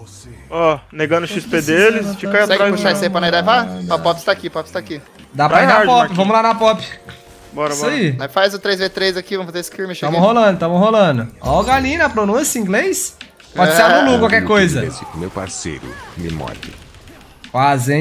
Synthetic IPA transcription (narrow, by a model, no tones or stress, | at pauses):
ɔneɡɐ̃nd̪ʊʃisped̪elɪst͡ʃikaasɛɾapuʃasepɾɐnãjd̪ɛjɐvaapɔpɪst̪aːkipɔpɪst̪aki | d̪apɾainapɔpɪvɐ̃mʊlanɐapɔpɪ̥ | bɔɐiɛ̃fajzʊt̪ɾejzvet̪ɾejzakivɐ̃mfazeesɪ̥kiɾmiʃɐ̃mʊholɐ̃d̪ʊt̪ɐ̃mʊɦolɐ̃d̪ʊɔɡalĩnɐpɾonũsɐĩŋɡlejs | pɔd͡ʒseabulukwawkɛkojzɐḛfikʊmḛwpa̰ɾsḛjɾʊ̰mɪ̰mɔ̰d͡ʒɪ̰ | kwazẽ